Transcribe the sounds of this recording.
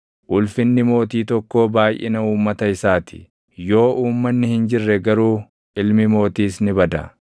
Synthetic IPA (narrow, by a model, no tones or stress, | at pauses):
ʔʊlfɪnːɪmo̞ːt̪iːt̪ɔkːo̞ːbaːjʔɛ̰nɐuːmːɐt̪ɐɪsaːt̪ʰɪ̥̰ | jo̞ːʔuːmːɐnːɪhɪnd͡ʒɪrːɛɡɐɾuː | ʔɪlmɪmo̞ːt̪iːsnɪbɐd̪ɐ̰